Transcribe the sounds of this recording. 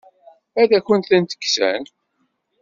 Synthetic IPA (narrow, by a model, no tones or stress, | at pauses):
æðæçənt̪θənt̪ə̥kːsæ̰n